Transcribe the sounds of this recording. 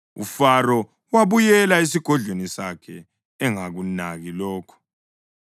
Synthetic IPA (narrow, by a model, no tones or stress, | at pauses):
ufaɾɔ | waβujɛlais̬iɡ̥ʱɔɮʱwenisakʰɛː | ŋaɣunaɣilɔːkʰɔ̥